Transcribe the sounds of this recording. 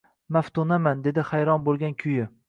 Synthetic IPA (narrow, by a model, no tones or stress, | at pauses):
maft̪unamand̪e̞d̪ɪhajɾɒnbolˠɡʲankʲʰʊjɪ